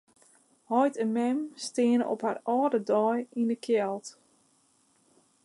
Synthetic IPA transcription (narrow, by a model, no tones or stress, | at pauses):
hɔjtəmɛmstɪənə̰ɔ̰pharɔːdədɔjinəkʰjɛlˠt